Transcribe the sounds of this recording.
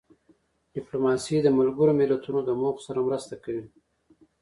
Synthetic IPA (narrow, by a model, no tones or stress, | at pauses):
ɖ̥ɪplomɑsid̪əmalɡəɾomɪlat̪unod̪əmopə̥saɾamɾəst̪akawi